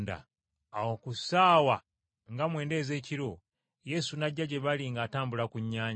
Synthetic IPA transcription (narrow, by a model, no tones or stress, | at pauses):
da̰ | awokusaːwa | ŋɡamwe̞ːnde̞ːze̞ːciɾo̞ | je̞sunaɟːaɟe̞βaliŋɡaːtaːmbulakuɲːaːɲ